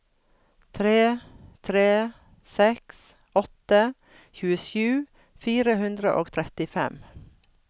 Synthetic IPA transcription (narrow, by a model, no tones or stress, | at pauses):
t̪ʰɾeːt̪ʰɾeː | sɛks | ʔɔt̪ə | çʉːəʃʉː | fiːɾəhʉnd̪ɾəʔo̰ːɡt̪ʰɾɛt̪ɪfɛ̰m